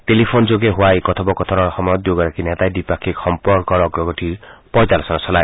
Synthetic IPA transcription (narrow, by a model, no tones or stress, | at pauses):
ʈelipʰond͡ʒoɡeɦwajkɔt̪ʰɔbɔkɔt̪ʰɔɾɔɾɔxɔmɔjɔd̪joɡɔɾakinɛt̪ajdipakʰikxɔmpɔɾkɔɾɔɡɾɔɡɔʈʰipɔjt̪aɾɔsɔnɔsɔlaj